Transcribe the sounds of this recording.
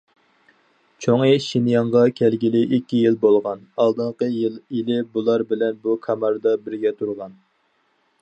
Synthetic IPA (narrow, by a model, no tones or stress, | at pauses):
t͡ʃʰoŋeʃinjɑɴʁɑkʲʰɛlɡʲilɪʔikʲːijilbolˠʁɑnɑlˠd̪ɨɴqəjilˠilɪbulˠɑɾbɪlɛnbukʰɑmɑɾd̪ɑbɪɾɡʲɛt̪ʰuɾʁɑn